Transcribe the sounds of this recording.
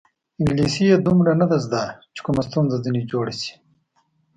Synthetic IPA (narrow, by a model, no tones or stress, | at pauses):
ɪŋɡlisijed̪umɾanad̪azd̪at͡ʃe̥kumast̪unzazinid͡ʒoːɽisi̥